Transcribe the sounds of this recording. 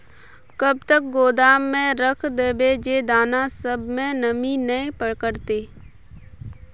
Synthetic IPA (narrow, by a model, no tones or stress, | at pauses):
kəb̚t̪ək̚ɡoːd̪aːmːẽɾəkʰd̪eːbed͡ʒed̪aːnasəbmẽnəminəĩpəɽkəɾt̪eː